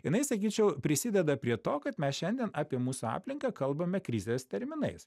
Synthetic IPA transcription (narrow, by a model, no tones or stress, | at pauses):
jɪnɐɪsɐkʲiːt͡ʃʲɛʊpʲɾʲɪsʲɪd̪ʲɛd̪ɐpʲɾʲiɛt̪oːkɐt̪mʲɛsʃʲɛnʲd̪ʲiɛnɑːpʲiɛmuːsuɑ̰ːpʲlʲɪŋkɑːkɐlˠbɐmʲɛkɾʲɪzʲeːst̪ʲɛɾʲmʲɪnɐ̰ɪs